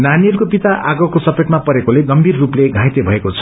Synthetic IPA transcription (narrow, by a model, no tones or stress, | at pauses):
naniʌɾkopit̪aʔaɡʌkosʌpeʈmapʌɾekoleɡʌmbʱirːupleɡʱãjt̪ebʱʌekot͡sʰʌ̥